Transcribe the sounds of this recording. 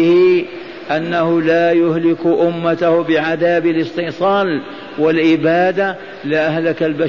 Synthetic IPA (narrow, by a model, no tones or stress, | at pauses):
ɪhɪ | ʔanːahʊlaːjʊhlɪkʔʊmːat̪ahbɪʕaðaːbalɪst̪ɪħsˤɑːl | walʔɪbaːd̪a | lɪʔahlakalba